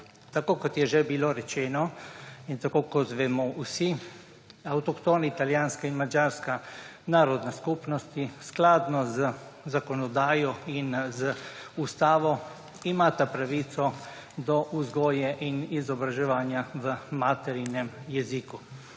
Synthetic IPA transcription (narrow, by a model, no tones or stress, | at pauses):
t̪akoːkɔt̪jɛʒɛbiloɾɛt͡ʃɛːnɔint̪akoːkɔt̪ʋɛmɔʔusi | awt̪ɔkt̪oːnait̪aljaːnskainmad͡ʒaɾska | naːɾɔd̪naskupnɔst̪isklad̪nɔzəzakɔnɔd̪aːjɔinzəust̪aːʋɔ | imaːt̪apɾaʋit̪sɔ | d̪ɔʔuzɡɔːjɛʔinizɔbɾaʒɛʋaːnjaʋəmaːt̪ɛɾinɛmjɛziku